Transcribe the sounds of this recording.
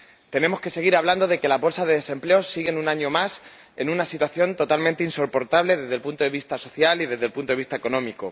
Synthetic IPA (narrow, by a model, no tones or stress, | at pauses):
t̪e̞nẽ̞mo̞ske̞se̞ɣ̞iɾaβland̪o̞ð̞e̞ke̞laβo̞lsaðe̞ðe̞se̞mpleo̞sːiɣ̞enunãɲo̞mas | e̞nũnasit̪waθjo̞nt̪o̞t̪almẽnt̪einso̞po̞ɾt̪aβle̞ðe̞zðe̞lpunt̪o̞ðe̞βist̪aso̞θjaliðe̞zðe̞lpunt̪oist̪aeko̞nõ̞miko